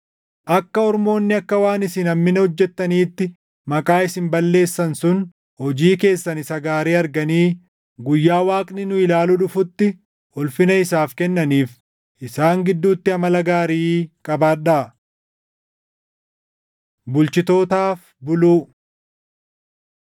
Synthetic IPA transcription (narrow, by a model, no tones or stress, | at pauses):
ʔɐkːɐɔɾmo̞ːnːɪɐkːɐwaːnɪsɪnɐmmɪnɐhɔd͡ʒːɛt̪ːɐniːt̪ːɪ | mɐkʼaːɪsɪmbɐlːe̞ːsːɐnsʊn | hɔd͡ʒiːke̞ːsːɐnɪsɐɡaːɾeːɐɾɡɐniː | ɡʊjːaːwaːkʼnɪnʊɪlaːlʊᶑʊfʊt̪ːɪ | ɔlfɪnɐɪsaːfkɛnːɐniːf | ʔɪsaːŋɡɪd̪ːuːt̪ːɪɐmɐlɐɡaːɾiːkʼɐbaːᶑa | bʊlt͡ʃɪt̪o̞ːt̪aːf | bʊluː